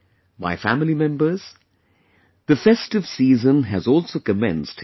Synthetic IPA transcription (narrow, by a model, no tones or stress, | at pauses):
ba̰ɪfæmlimɛ̃mbəz̥ | ðɨfɛstɨv̥siːzə̃nɨzɔlˠsoʊkɨmɛ̰̃nst